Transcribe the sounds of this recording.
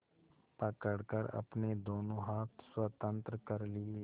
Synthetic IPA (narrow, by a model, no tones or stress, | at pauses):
pəkəɽkəɾɐ̰pned̪oːnõɦaːt̪swət̪ə̃nt̪ɾəkəɾlɪe